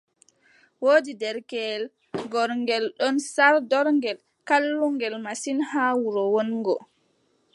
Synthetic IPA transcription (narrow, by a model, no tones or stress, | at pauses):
woːdidɛɾkɛl | ɡɔɾŋɡɛlɗɔnsaɾdɔɾŋɡɛl | kalːuŋɡɛlmasinhaːwuɾɔwonɡɔ